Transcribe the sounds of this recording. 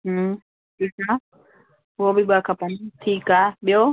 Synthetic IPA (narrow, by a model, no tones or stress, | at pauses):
tika | wɔbibakapant̪ʰikabjɔ